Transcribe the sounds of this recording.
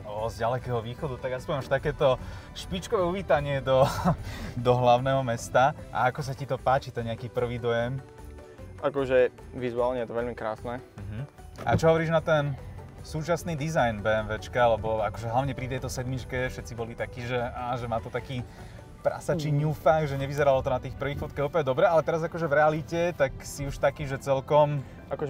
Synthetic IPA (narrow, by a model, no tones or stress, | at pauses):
ɔzɟalɛkɛːɦɔʋiːxɔd̪ut̪aɡjaspɔʋimaʃt̪akɛːt̪ɔ | ʃpit͡ʃkɔʋɛːuʋiːt̪aɲɪɛd̪ɔ | d̪ɔɦlaʊnɛɦɔmɛst̪aʔa̰akɔs̬acit̪ɔpaːt͡ʃit̪ɛnɲɛakiːpr̩ʋiːd̪ɔjɛm | ʔakɔʒɛ | ʋizuaːlɲɛjɛt̪ɔʋɛʎmikɾaːsnɛɦm̩ | a̰t͡ʃɔɦɔʋɔɾiːʒnat̪ɛnsuːt͡ʃasniːd̪izajnbɛɛmʋɛt͡ʃkaalɛbɔakɔʒɛɦlaʋɲɛpɾit̪ɛjt̪ɔsɛd̪mit͡ʃkɛfʃɛt̪t͡sibɔlit̪akiːʒɛaːʒɛmaːt̪ɔt̪akiː | pɾa̰sat͡ʃiːɲuːfaɡʒɛɲɛʋizɛɾalɔt̪ɔnat̪iːxpr̩ʋiːxfɔt̪̚kaɦuːpəɲɛd̪ɔbɾɛalɛt̪ɛɾazakɔʒɛvɾɛalicɛt̪aksiuʃt̪akiːʒɛt͡sɛlkɔm | ʔakɔʒɛ